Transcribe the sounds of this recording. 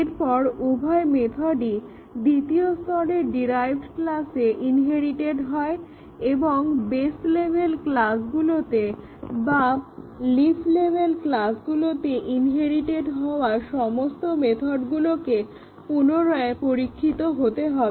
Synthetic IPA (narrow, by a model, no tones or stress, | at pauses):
eɾpɔɾubʱɔemet̪ʰoɖi | d̪it̪iost̪ʰɔɽeɾɖiɾajbʱɖklaseʔinɦeɾiʈeɖɦɔe | eboŋbeslebʱelklasɡulot̪e | baliflebʱelklasɡulot̪eʔinɦeɾiʈeɖɦɔoaʃɔmost̪omet̪ʰoɖɡuloke | punoɾɔepoɾikʰːit̪oɦot̪eɦɔbe